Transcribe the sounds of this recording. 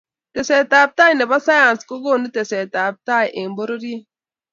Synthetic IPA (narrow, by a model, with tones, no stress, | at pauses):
te˨sɛ˨ta˨p̚ta˦jne˨ba˦sa˦ja˨nsko˦ɡo˦˨ni˦te˨sɛ˨ta˨p̚ta˦˨jʔe˨mbo˦ɾo˦ɾi˦